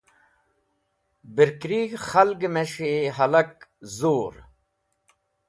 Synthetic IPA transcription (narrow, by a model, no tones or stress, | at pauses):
biɾkɾiɡxɐlɡmeʂeɦɐlɐkzoːɾ